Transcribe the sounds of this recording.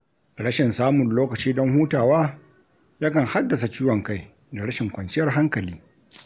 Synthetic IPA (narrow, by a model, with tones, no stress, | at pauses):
ɽɐ˦ʃɪ˨nsaː˦mʊ˨nloː˦kɐ˨t͡ʃiː˦dɔ˦ŋhuː˦taː˨waː˦ | ja˦kɐ˨ŋha˦dːɐ˨s̬a˨t͡ʃiː˦wɔ˨ŋka˦j | da˨ɽɐ˦ʃɪ˨ŋkʷɐ˨nt͡ʃɪ˦jɐ˨rɦa˦ŋkɐ˨liː˦